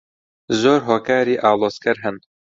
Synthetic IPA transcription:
zoːɾɦoːkaːɾiːʔaːlˠoːskɛɾɦɛn

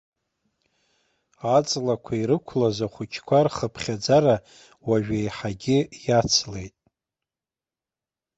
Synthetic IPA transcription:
at͡sʼlakʷʰaiɾɨkʷʰlazaχʷʊt͡ʃʰkʷʰarχəpʰχʲad͡zaɾa | waʒᶣejħaɡʲɪjat͡sʰle̞jtʼ

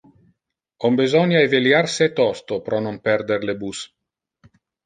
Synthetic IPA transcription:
ombezɔnjaeveljarset̪ɔst̪opɾɔnompɛrd̪eɾlebus

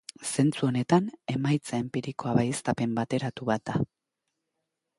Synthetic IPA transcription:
se̞nt͡suo̞ne̞t̪ane̞majt͡sae̞mpiɾiko̞aβajest̪ape̞mbat̪e̞ɾat̪uβat̪̚d̪a

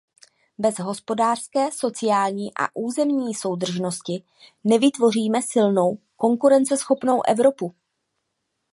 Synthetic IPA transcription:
bɛzɦo̞spo̞daːr̝̥skɛːso̞t͡sɪjaːlɲiːʔa̰ʔuːzɛmɲiːso̞wd̪r̩ʒno̞scɪ | nɛvɪt̪vo̞r̝iːmɛsɪlno̞w | ko̞ŋkuɾɛnt͡sɛsxo̞pno̞wʔɛvɾo̞pu

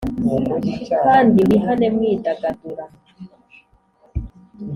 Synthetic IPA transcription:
kandiliɦanɛmwiːtakatuɾa

